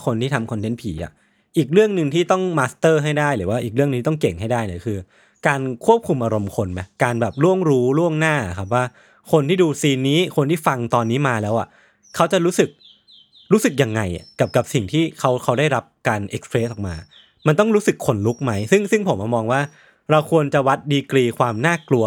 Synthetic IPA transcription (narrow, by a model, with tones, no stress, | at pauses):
kʰo˧nt̪iː˥˩a˧mkʰɔ˧nt̪ʰe˦˥npʰiː˩˦ʔa̰˨˩ | ʔiː˨˩k̚ɾɯ˥˩əŋnɯ˧ŋt̪ʰiː˥˩t̪ɔ˥˩ŋmaː˦˥st̪ɤː˥˩ɦa˥˩jdaː˥˩jɾɯ̰ː˩˦waː˥˩ʔiː˨˩k̚ɯ˥˩ŋnʰ˧iː˥t̪ɔ˥˩ŋke˨˩ŋɦa˥˩jdaː˥˩jni˧˥˩kʰɯː˧ | kaː˧nkʰu˥˩əp̚kʰu˧mʔa˧ɾo˧mkʰo˧nma˦˥kaː˧nbɛː˨˩p̚lu˥˩əŋɾuː˦˥lu˥˩əŋnaː˥˩a̰˨˩kʰa˦˥p̬̚waː˥˩ | kʰo˧nt̪ʰiː˥˩duː˧siː˧nːiː˦˥kʰo˧nt̪ʰiː˥˩fa˧ŋt̪ɔː˧nːiː˦˥maː˧lɛː˦˥wʔa̰˨˩ | kʰa˦˥wt͡ɕa˨˩ɾuː˦˥sɯ˨˩k̚ | ɾuː˦˥sɯ˨˩k̚ja˨˩ŋːa˧ja̰˨˩ka˨˩p̚ka˨˩p̚si˨˩ŋt̪ʰiː˥˩kʰa˦˥wkʰa˦˥wdaː˥˩jɾa˦˥p̚kaː˧nʔe˦˥k̚spʰɾeː˦˥sʔɔː˨˩k̚maː˧ | ma˧nt̪ɔ˥˩ŋɾuː˦˥sɯ˨˩kʰːo˧nlu˦˥k̚ma˦˥jsɯ˥˩ŋsɯ˥˩ŋpʰo˨˩˦mʔa˧˩mɔː˧ŋwaː˥˩ | ɾa˧wkʰu˧ənt͡ɕa˨˩wa˦˥t̪̚diː˧kliː˧kʰwaː˧mnaː˥˩klu˧ɐ